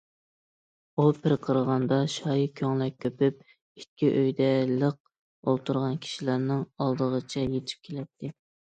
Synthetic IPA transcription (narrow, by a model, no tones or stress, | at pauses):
upʰɪɾqʰəɾəʁɑnd̪ɑʃɑjikʲʰøŋlˠɛk̚ʲʰːøpyp̚ | it̪̚kʲiʔøjd̪ɛləq̚ | olˠt̪ʰuɾʁɑnkʲʰi̥ʃilæɾnɨŋɑlˠd̪əʁət͡ʃʰɛjet̪ʰɪ̥p̚kʲʰelɛt̪ʰːɪ